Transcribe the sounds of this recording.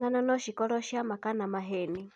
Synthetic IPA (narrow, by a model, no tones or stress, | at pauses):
ananɔʃikɔlɔʃiamakanamaɦɛni